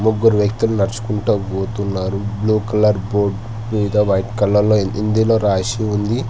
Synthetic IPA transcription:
muɡuɾuʋjɐkt̪ulunɐɾt͡ʃu̥kuɳʈuɡuːt̪unːaːɾubluːkɐlɐɾboːɖ | ʋiʋid̪ʱɐʋɐjʈkɐlːɐlːoːind̪ilo̞ːɾaːʃiund̪i

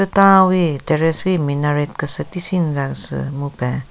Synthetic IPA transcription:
ɨtawiteɾeswiminaɾet̚kəsətisinzansɨ̰mupɛ

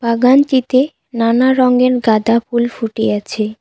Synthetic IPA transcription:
baɡant̪it̪e | nanaɾɔŋɡeɾɡad̪ʱapulfuʈeat͡ɕʰe

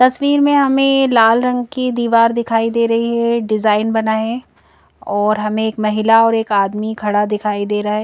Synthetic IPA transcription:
t̪ɐsʋiːɾmẽɦɐmẽlaːlɾɐ̃ŋɡkid̪iːʋaːɾd̪ɪkʰaːid̪eːɾɐɦiɦɛɖɪzaːɪnbɐnaːẽ | ɔːɾɦɐmẽeːkmɐɦɪlaɔːɾeːkaːd̪mikʰɐɽad̪ɪkʰaːid̪eːɾaɦɛː

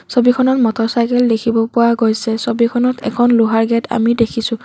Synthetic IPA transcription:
sobikʰɔnɔtmɔtɔɹsajkɛldekʰibɔpʊwaɡojsɛsobikʰɔnɔtʰɛ̰kʰɔnluɦaɹɡɛtʰa̰midekʰisʊ̃

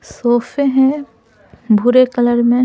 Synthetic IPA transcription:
soːfẽɦɛ̃ | bʱuɾekələɾmẽ

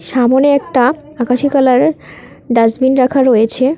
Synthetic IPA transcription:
ʃamoneɛk̚ʈa | akaʃikalaɾ | ɖazbinɾakʰaɾojet͡ɕʰe

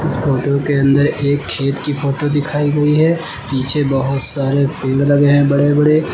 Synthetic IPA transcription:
ʊsfoːʈokeɐ̃nd̪əɾeːkʰːeːt̪kipʰoːʈod̪ɪkʰaːiɡɐiɦɛː | piːt͡ʃʰebɐɦʊt̪saːɾepɪ̃ŋɡlɐɡeɦɛ̃bɐɽebɐɽe

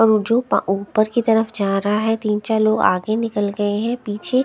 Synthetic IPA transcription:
ɔːɾd͡ʒoːpaʔuːpəɾkit̪ɐɾəfd͡ʒaːɾɐɦaɦɛt̪iːnt͡ʃaloːɡa̰ːɡenɪkəlɡɐeɦɛ̃piːt͡ʃʰe

